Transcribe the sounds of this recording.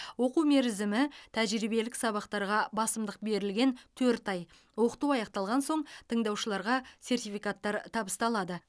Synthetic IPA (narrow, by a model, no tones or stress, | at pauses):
wo̞quwme̞ɾɪzɪmɪt̪ʰæʒɾibe̞lɪksɑβɑqt̪ɑɾʁɑbɑsəmd̪əq̚be̞ɾɪlɡʲe̞nt̪ʰɵɾt̪ɑj | wo̞qə̥t̪uɑjɑqt̪ɑlˠʁɑnso̞ɴt̪ʰəɴd̪ɑwʃəlˠɑɾʁɑse̞rt̪ijfijkat̪ːɑɾt̪ʰɑbəst̪ɑlˠɑd̪ə